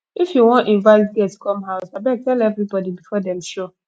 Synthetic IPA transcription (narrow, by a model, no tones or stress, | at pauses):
ifjuwɔ̃ntĩnvaɪtɡɛtːkɔ̃mɦaʊsabɛk̚tɛlɛvɾibɔdibifɔdɛ̃mʃo